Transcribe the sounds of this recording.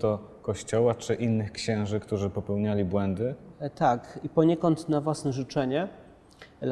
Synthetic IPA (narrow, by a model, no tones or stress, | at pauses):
t̪ɔ | kɔɕt͡ɕɔwat͡ʂɘʔinːɘxkɕɛ̃w̃ʐɘkt̪uʐɘpɔpɛwɲalʲibwɛnd̪ɘt̪akipɔɲɛkɔnt̪navwasnɛʐut͡ʂɛɲɛ